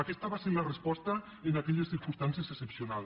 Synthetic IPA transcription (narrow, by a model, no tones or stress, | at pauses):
akɛst̪aβaseɾlarespɔst̪ɐ | enakɛʎesθiɾkunst̪ansiəsesepsional